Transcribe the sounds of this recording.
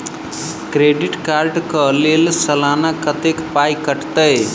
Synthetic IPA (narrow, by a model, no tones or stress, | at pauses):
kɾeɖiʈkaːɾɖkəɦlelsɐlanakət̪ekpajkəʈt̪əj